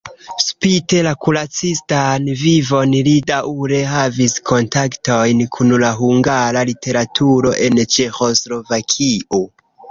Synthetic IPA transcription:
spite̞lakulat͡sistanvivo̞nlidauɾe̞ɦaviskʰo̞ntakto̞jnkʰunlaɦuŋɡaɾalite̞ɾatʰuɾo̞̰ʔe̞nt͡ʃe̞xo̞slo̞vakʰiʔo̞

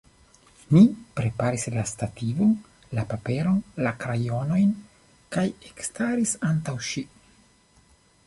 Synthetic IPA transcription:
nipɾe̞paɾislastativon | lapape̞ɾo̞nlakɾajo̞no̞jn | kajekstaɾisantawʃi

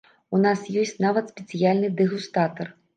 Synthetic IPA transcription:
unasjɔsʲt͡sʲnavɐt̪sʲpʲɛt̪sɨjalʲnɨd̪ɨɣust̪at̪ɐr

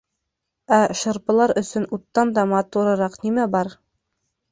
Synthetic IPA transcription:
æʃɤ̆ɾpɤ̆lˠɑɾɵ̆sɵnut̪ːɑnd̪ɑmɑt̪uɾɤ̆ɾɑqnimæbɑɾ

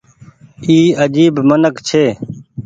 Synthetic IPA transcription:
iːəd͡ʒiːbmənəkt͡ʃʰeː

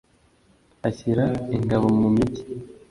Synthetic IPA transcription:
açiɾaiŋɡaβomumiɟi̥

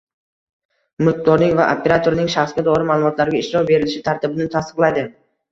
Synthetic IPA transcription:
mʊq̚d̪ɒɾnɪŋvaʔopʰe̞ɾat̪ʰoɾnɪŋʃaχsɡʲad̪ɒɾɪmaːlˠʊmɒt̪laɾɡʲaɪʃɾɒbe̞ɾɪlɪʃɪt̪ʰaɾt̪ɪbɪnɪt̪ʰast̪ɨ̥qlˠad̪ɪ

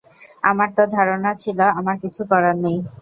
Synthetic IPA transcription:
amaɾt̪ɔd̪ʱaɾonat͡ɕʰilaamaɾkit͡ɕʰukɔɾanej

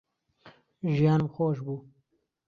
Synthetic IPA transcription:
ʒijɑːnmxoʃ̬bu

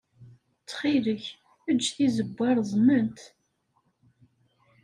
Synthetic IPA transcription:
t͡sːχiləç | əd͡ʒːθizəbʷːæɾˤzˤmənt̪

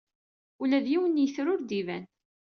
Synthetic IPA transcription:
ulæðjiwənːjəθɾʊɾd̪ivæn

